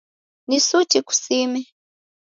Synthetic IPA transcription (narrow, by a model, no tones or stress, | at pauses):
nisut͡ʃiku̥simɛ